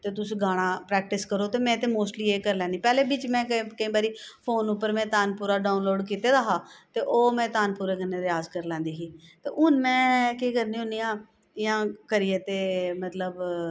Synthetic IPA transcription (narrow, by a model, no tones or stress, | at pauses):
t̪eːt̪ʊsĩːɡaːɽ̃ãːpɾɛːkʈɪskəɾoːt̪eːmɛ̃ːt̪eːmoːsʈliːeːkəɾlɛ̃ːnd̪iːpɛːleːbɪt͡ʃmɛ̃ːkːkəĩːbaːɾiːpʰoːnʊpːəɾmɛ̃ːt̪aːnpuːɾaːɖaːʊnloːɖkiːt̪eːd̪aːɦaːt̪eːʔoːmɛ̃ːt̪aːnpuːɾeːkənːeːd̪eːaːzkəɾlɛ̃ːnd̪iːɦiːt̪ḛːʔʊnmɛ̃ːkiːkəɾnĩːɦʊniːaː | ɪjãːkəɾieːt̪eːmət̪ləb